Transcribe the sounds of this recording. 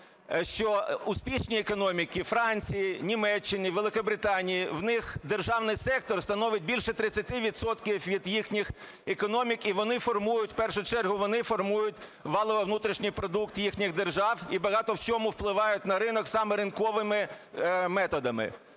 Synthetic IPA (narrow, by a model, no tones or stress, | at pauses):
ʃt͡ʃɔʊspʲiʃnʲiɛkɔnɔmʲikʲifɾɑnʲt͡sʲijinʲimɛt͡ʃːɪnʲɪʋelˠɪkɔbɾɪt̪ɑnʲijiʋnɪxd̪erʒɑwnɪjsɛk̚t̪ɔrst̪ɐnɔʋɪt̚ʲbʲilʲʃɛt̪ɾɪt͡sʲːɐt̪ɪʋʲid̪sɔt̪kʲiwʋʲid̪jixnʲix | ekɔnɔmʲikiʋɔnɪfɔrmujʊtʲwpɛrʃʊt͡ʃɛrɦʊʋɔnɪfɔrmujʊtʲ | ʋɑlˠɔʋɐʋnut̪ɾʲiʃnʲijpɾɔd̪ukt̪jixnʲiɣd̪erʒɑwibɐɦɑt̪ɔwt͡ʃʲɔmʊwplˠɪʋɑjʊtʲnɐɾɪnɔksɑmɛɾɪnkɔʋɪmɪ | mɛt̪ɔd̪ɐmɪ̰